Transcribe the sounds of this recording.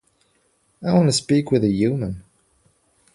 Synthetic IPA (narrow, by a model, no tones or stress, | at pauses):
aɪwɑ̃nəspikwɨðɨjʉmə̃n